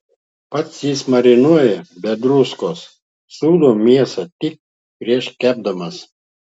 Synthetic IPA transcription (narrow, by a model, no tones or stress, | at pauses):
pɐt̪sjiːsmɐɾʲɪnuɔjɛbʲɛd̪ɾʊskoːs | suːd̪oːmʲiɛsɐt̪ʲɪk̚ | pʲɾʲiɛʃkʲæːb̚d̪ɐmɐs